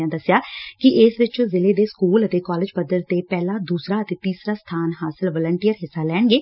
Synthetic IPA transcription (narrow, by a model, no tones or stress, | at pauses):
ãːd̪əsːjaːkɪʔɪsʋɪt͡ʃzɪleːd̪eːskuːlət̪eːkɔːlɪd͡ʒpəd̪əɾt̪eːpɛːlaːd̪uːsɾaːət̪eːt̪iːsɾaːst̪ʰaːnɦaːsɪlʋəːləɳʈijəɾɦɪsːaːlɛːɳɡeː